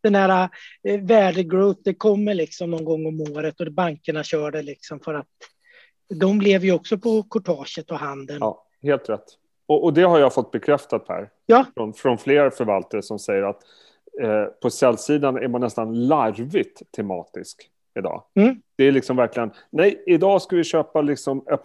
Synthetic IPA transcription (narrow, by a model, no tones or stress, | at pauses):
d̪̥ɛnhæːɾavæːɖəɡɾʉːp̚d̪ɛkʰɔmːəɭɪksɔmnɔnɡɔŋːɔmoːɾət̪ɔbaŋkəɳaɕœːɖɛlɪksɔmfœɾat̪ | d̪ɔmblɛvjɵɔksɔpʰɔkʰʊʈʰɑːʂət̪ɔɦand̪ənː | heːlt̪ɾɛt̪ː | ɔʔɔd̪ɛɦaɾjafɔt̪̚ːbɛkʰɾɛft̪at̪̚pʰæ̰ːɾ | jɑːfɾɔnfɾɔnfleːɾfœɾvalt̪aɾəsɔmsɛjːəɾat̪ | pʰɔsɛlːsiːd̪anæ̰ɾmanːɛst̪anlaɾvɪt̪ʰːɛmɑ̰ːt̪ɪsk | ɪd̪ɑ̰ːd̪̥ɛæɾɭɪksɔmvæɾklɪɡən | nɛjɪd̪ɑːskavɪɕøːpalɪksɔmɛ